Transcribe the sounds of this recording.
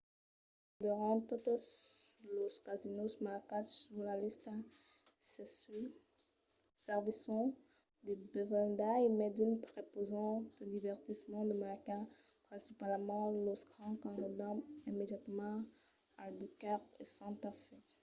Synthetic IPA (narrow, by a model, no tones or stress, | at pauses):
d̪yʁɑ̃t̪ot̪sloskazinosmakatsuʁlalist̪ | sɛs | sɛʁvisɔ̃ | d̪əbɛvɛld̪aimɛd̪ynpʁepozɑ̃t̪d̪əd̪ivɛʁt̪ismɑ̃d̪əmaʁkɛ̃pχɛ̃sipalmɑ̃loskɑ̃kɑ̃nɔd̪ãimed̪jat̪mɑ̃ | albykaʁesɑ̃t̪afe